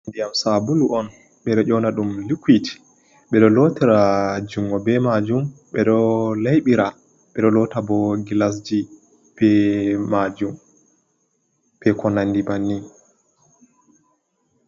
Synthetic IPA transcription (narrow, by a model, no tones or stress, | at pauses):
ndijamsabuluʔɔn | ɓɛɗɔʔɔnaɗumlikiti̥ | ɓɛɗɔlotiɾad͡ʒuŋɡɔbɛmad͡ʒumɓɛɗɔlajɓiɾa | ɓɛɗɔlɔtabɔɡilas̬d͡ʒi | b̥ɛmad͡ʒum | pɛkʰɔnandibanːi